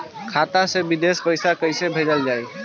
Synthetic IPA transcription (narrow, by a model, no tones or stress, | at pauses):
kʰat̪asebid̪espəjsakəɪjsebʱed͡ʒəld͡ʒaj